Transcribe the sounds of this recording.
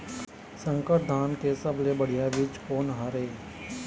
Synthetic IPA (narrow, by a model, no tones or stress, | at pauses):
sə̃ŋkəʈ̚d̪ʱaːnkesəblebəɽ̤ijaʋɪt͡ʃkoːnɦaːɾeː